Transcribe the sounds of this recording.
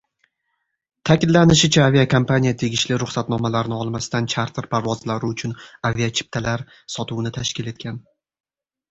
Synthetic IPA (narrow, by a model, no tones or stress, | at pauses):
t̪ʰakʲɪd̪lanɪʃɪt͡ʃʰaːvijakʰompʰanijat̪ʰe̞ɡʲɪʃlɪɾʊχsat̪nɒmalaɾɪnɪɒlˠmast̪ant͡ʃʰaɾt̪ʰɪɾpʰaɾvɒzlaɾɪʊt͡ʃʰʊnaviat͡ʃʰɪ̥p̚t̪ʰalaɾ | sɒt̪ʰʊwnɪt̪ʰaʃkʲɪle̞t̪̚kʲan